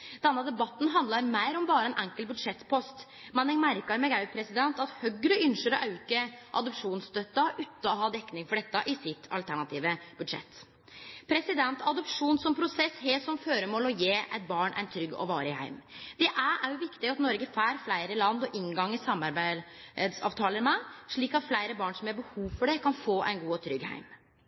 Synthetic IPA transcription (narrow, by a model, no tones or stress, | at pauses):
d̪̥ɛnːəd̪ɛbɑt̪ːn̩ɦɑnd̪lɑɾmæɪɾɔmbɑːɾəɛnʔæŋkəlbʉd̪ʂɛt̪ːpʰɔst̪ | mɛnɛŋmæɾkɑɾmɛɡɑʉpʰɾɛsɪd̪ɛnt̪ɑt̪hœɡɾəʏnʂəɾɔʔɑʉkəʔɑ̰d̪ɔpʂuːnst̪œt̪ːɑʔʉːt̪əɔɦɑːd̪ɛkːnɪŋfɔɖɛt̪ːɑʔɪsɪt̪ʰːɑ̰lt̪ʰæɳɑt̪ʰiːʋəb̥ʉd̪ʂɛ̰t̪ː | pʰɾɛsɪd̪ɛnt̪ɑd̪ɔpʂuːnsɔmpʰɾʊsɛsheːsɔmføːɾəmoːlɔjeːʔæ̰ɪt̪̚bɑːɳʔæ̰ɪnt̪ʰɾʏɡːɔ̰ʋɑːɾəɪhæ̰ɪmd̪̥ɛʔæʔæɾjʊʋɪkt̪ɪɡɑt̪nɔɾɡəfæːɾflæɪɾəlɑnd̪ɔʔɪŋɡɑŋːəsɑmɑɾbæɪd̪sɑ̰ːʋt̪ʰɑːləɾmɛʂɭiːkɑt̪flæɪɾəbɑːɳsɔmhɑɾbəhuːʋfɔɖɛkʰɑnfoːʔæ̰ɪnɡuːɔt̪ʰɾʏɡhæ̰ɪm